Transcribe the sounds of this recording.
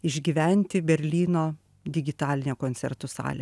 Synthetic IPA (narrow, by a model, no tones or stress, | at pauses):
ɪʒʲɡʲiːʋʲɛnʲt̪ʲɪbʲɛɾʲlʲiːnoː | d̪ʲɪɡʲɪt̪ɑːlʲɪnʲoːkoːnʲtsʲɛ̰ɾt̪ʊsɑ̰ːlʲḛ